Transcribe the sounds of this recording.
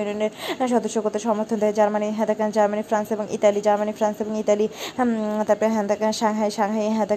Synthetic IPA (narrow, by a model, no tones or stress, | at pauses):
unioneɾʃɔd̪oʃːokot̪ːeʃɔmoɾt̪ʰond̪eed͡ʑaɾmaniɦɛd̪akand͡ʑaɾmanifɾanseboŋʔḭtalid͡ʑaɾmanifɾanseboŋitali | t̪aɾpɔɦɛd̪akaʃaŋɦajʃaɡɦajɦɛd̪a